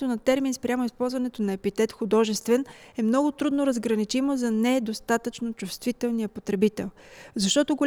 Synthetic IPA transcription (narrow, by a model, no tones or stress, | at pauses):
t̪onɐt̪ɛɾminspɾʲamoispɔlˠzvɐnɛt̪onɐɛpit̪ɛt̪xʊd̪ɔʒɛst̪vɛnɛmnɔɡʊt̪ɾud̪noɾəzɡɾɐnit͡ʃimozɐnɛd̪ost̪at̪ət͡ʃnot͡ʃust̪vit̪ɛlˠnijəpot̪ɾɛbit̪ɛ̰lˠzɐʃt̪ɔt̪oɡolʲ